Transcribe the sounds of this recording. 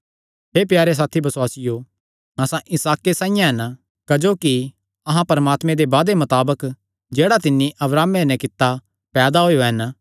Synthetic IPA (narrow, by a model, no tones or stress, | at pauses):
ɦeːp̬jaːɾes̬aːt̪ʰibɐswaːsɪjo | ɐsãʔɪsaːkːesãːɪjãɦɛn | kɐd͡ʒoːki | ɐɦãpɐɾəmaːt̪mẽd̪ebaːd̪emɐt̪aːbək | d͡ʒeːɽat̪ɪnːiʔɐbɾaːmenɛ̃kɪt̪ːa | pɛːd̪aɦojoɦɛn